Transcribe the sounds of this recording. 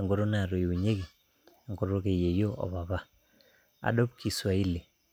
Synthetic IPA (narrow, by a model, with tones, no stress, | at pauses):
a˨ŋɡo˦ɾo˦n˦a˨ɾo˨ju˨ɲe˦ɣi˨ | a˨ŋɡo˦ɾo˦ke˨je˨jo˦ʔɔ̰˨βa˨βa˦ | a̰˨ɗɔ˦p̚kʰi˨swa˨i˦le˨